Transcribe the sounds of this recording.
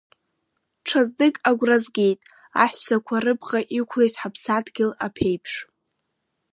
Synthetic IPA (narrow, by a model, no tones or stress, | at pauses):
ʈ͡ʂʰazdɨkʼaɡʷrazɡʲejtʼ | aħʷᶣsʷʰakʷʰarɨbʁaʔikʷʰlejtʰʼħapʰsadɡʲɪlapʰe̞jpʰʂ